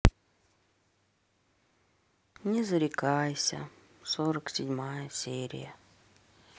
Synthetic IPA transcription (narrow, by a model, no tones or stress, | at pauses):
nʲɪzəɾʲɪkajsʲə̰ | soɾəksʲɪdʲmajəsʲeɾʲɪ̰jə